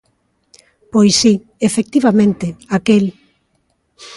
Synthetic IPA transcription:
pojsi | efek̚t̪iβamẽnt̪ɪakel

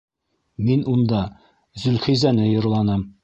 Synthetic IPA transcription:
minund̪ɑ | zɵ̆lχizænɘjŏɾlˠɑnɤm

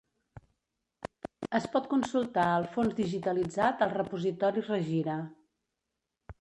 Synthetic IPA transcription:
əspɔt̪̚kunsulˠt̪aəlˠfonzðiʒit̪əlid͡zat̪əlˠrəpuzit̪ɔɾirəʒiɾə

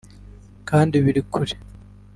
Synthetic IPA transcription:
kaːndiβiɾikʰuɾi̥

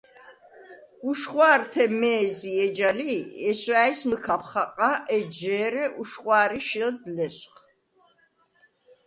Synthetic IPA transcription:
uʃχwaːrt̪ʰɛmɛːziɛd͡ʒaliɛswaːjsməkʰapʰχaqʼaʔɛd͡ʒɛːɾɛʔuʃχwaːɾiʃild̪lɛsq

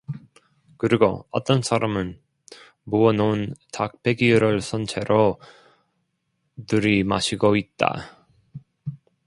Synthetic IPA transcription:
kɯɾiɡoʌt͈ʌnsʰaɾamɯn | muʌnontak̚pʰe̞ɡiɯɾɯɭsʰʌnt͡ɕʰe̞ɾo | nɯɾima̰ɕʰiɡoit̚t͈a̰

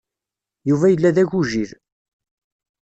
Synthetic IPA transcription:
juvæjəlːæðæʝuʒiɾ

